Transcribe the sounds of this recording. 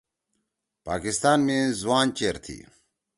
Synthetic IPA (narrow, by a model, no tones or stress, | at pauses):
pa̰ːkist̪aːnmizwaːnt͡ɕeːɾt̪ʰḭ